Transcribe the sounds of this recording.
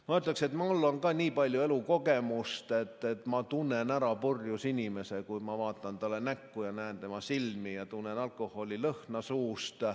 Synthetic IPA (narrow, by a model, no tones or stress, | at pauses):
mɑot̪lɑkse̞t̪mɑolːonkɑːnʲiːpɑlʲjue̞luko̞ɡemust̪e̞t̪ːe̞t̪mɑt̪unːenæɾɑpurjusinʲime̞sekujmɑvɑːt̪ːˑɑnt̪ɑlːenækːujɑnæːnt̪e̞mɑsilmijɑt̪unːenɑlkˑo̞hːo̞lʲilɤhnɑsuːst̪